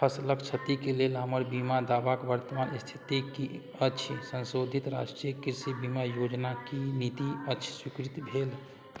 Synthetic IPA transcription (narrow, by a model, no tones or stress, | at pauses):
pʰəsləkt͡ʃʰət̪ikelelɦəməɾbimad̪abakbəɾt̪əmanst̪ʰi̥t̪iki | ət͡ʃʰsə̃nsod̪ʱit̪ɾaʃʈɾijəkiɾsibimajod͡ʒnakinit̪iət͡ʃʰswikɾit̪bʱel